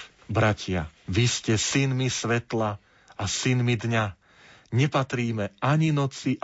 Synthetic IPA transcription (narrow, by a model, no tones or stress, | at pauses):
bɾacʰɪaʋiscɛsinmisʋɛt̪la | asinmid̪ɲa | ɲɛpat̪ɾiːmɛaɲinɔt͡siʔ